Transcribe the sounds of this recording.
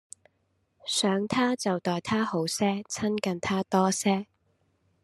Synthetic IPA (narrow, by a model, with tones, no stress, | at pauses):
sœː˨˥ŋt̪ʰaː˥t͡sɐ˨wt̪ɔː˨jt̪ʰaː˥ho˨˥wsɛː˥t͡sʰɐ˥nkɐ˨nt̪ʰaː˥t̪ɔː˥sɛː˥